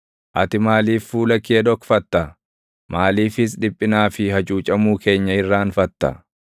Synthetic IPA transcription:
ʔɐt̪ɪmaːliːfːuːlɐkːeːᶑɔkfɐt̪ːɐ | maːliːfɪs̬ᶑɪpʼːɪnaːfɪhɐt͡ʃʼuːt͡ʃʼɐmuːkʰe̞ːɲːɐɪrːaːnfɐt̪ːɐ̰

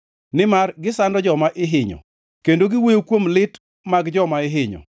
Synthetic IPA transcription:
nɪmarɡɪsandɔd͡ʒɔmaʔɪɦɪɲɔ̰ | kendoɡɪwejokwomlɪt | maɡd͡ʒɔmaɪɦɪɲɔ̰

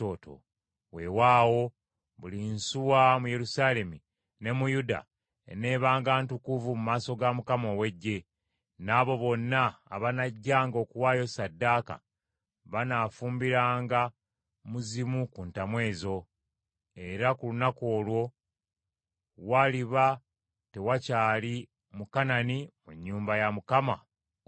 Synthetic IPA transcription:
oto̰ | we̞waːwo̞ | βulinsuwamuje̞ɾusaːle̞mi | ne̞mujuda̰ | ḛne̞ːβaːŋɡaːntukuvumumaːso̞ɡamukamo̞ːwe̞ɟːe̞ | naːβo̞βo̞nːa̰ːβanaɟːaːŋɡo̞ːkuwaːjo̞sadːaːka̰ | βanafuːmbiɾaːŋɡa | muzimukuntamwe̞ːzo̞ | e̞ɾakulunako̞ːlwo̞ | waliβa | te̞wacaːli | mukananimuɲːuːmbajamukama̰

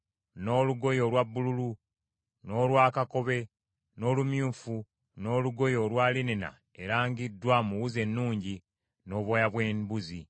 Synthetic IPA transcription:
no̞ːluɡo̞jo̞lwabːululu | no̞ːlwaːkako̞βe̞ | no̞ːlumjuːfu | no̞ːluɡo̞jo̞lwaːlinena̰ | eɾaːŋɡidːwamuwuze̞nːuːɲɟi | no̞ːβwojaβweːmbuzi

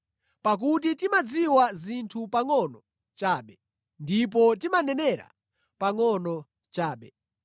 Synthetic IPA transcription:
pak̬ut̬itimad͡ziwazintʰupaŋɔnɔ | t͡ʃaːɓɛ | ndip̬ɔtimanɛnɛɾa̰ | paŋɔnɔ | t͡ʃaːɓɛ

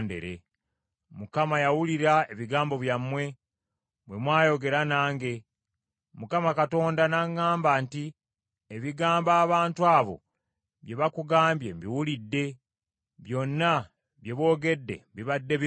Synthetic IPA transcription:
ndḛɾḛ | mukamajawuliɾae̞βiɡaːmbo̞βjamːwe̞ | bwe̞mwaːjo̞ɡe̞ɾanaːŋɡe̞ | mukamakato̞ːndanaŋːaːmbanti | eβiɡaːmbaːβaːntuaːβo̞̰ | βje̞βakuɡaːmbje̞̰mbiwulidːe̞ | βjo̞nːa | βje̞βo̞ːɡe̞dːe̞̰mbiβadːe̞β

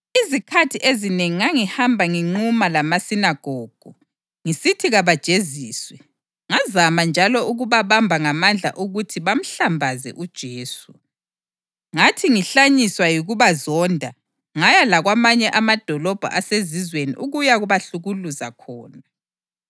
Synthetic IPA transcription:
izikʰatʰiʔezineŋiŋaŋihambʱaŋiŋ͡ǃumalamasinaɡ̥ʱɔːɡ̥ʱɔ | ŋisitʰiɣaβad̥ʒ̥ʱeziːswɛ | ŋazamand͡ʒʱalɔʔuɣuβaβambʱaŋamand͡ɮʱa̰ʔuɣutʰiβam̩ɬambʱazɛ̰ʔud̥ʒ̥ʱeːsu | ŋatʰiŋiɬaɲiswajiɣuβazɔndʱa | ŋajalaɣwamaɲɛʔamad̥ʱɔlɔb̥ʱa̰ʔasezizwenḭʔuɣujaɣuβaɬuɣuluza̰kʰɔːna

